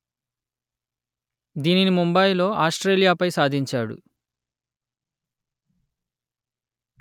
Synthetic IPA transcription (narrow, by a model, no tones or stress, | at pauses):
d̪iːninimumbɐjlo̞ːʔaːsʈɾe̞ːljaːpɐjsaːd̪ʱiɲt͡ʃaːɽṵ